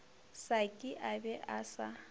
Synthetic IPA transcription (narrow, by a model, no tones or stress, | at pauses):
sakʼɪʔabɛʔasa